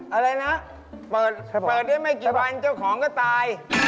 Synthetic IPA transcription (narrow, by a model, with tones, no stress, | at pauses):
ʔa˧ɾa˧jna˦˥ʔ | pɤː˨˩t̪̚pɤː˨˩t̪̚da˥˩jma˥˩jkiː˨˩wa˧nt͡ɕa˥˩wkʰɔː˩˦ŋkɔː˥˩t̪aː˧j